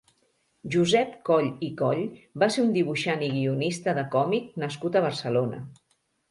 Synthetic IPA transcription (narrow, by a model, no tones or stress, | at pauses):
ʒuzɛpkɔʎikɔʎbaseund̪iβ̞uʃaniɣiunist̪əðəkɔmik̚nəskut̪əβ̞əɾsəlonə̰